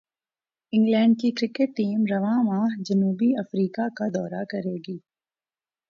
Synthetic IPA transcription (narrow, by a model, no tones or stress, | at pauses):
ɪ̃ŋɡlɛ̃ːɳɖ̚kikɾɪkeʈːiːmɾɐʋaːmaːɦd͡ʒɐnuːbiɐfɾiːkakad̪ɔːɾa̰kɐɾeːɡiː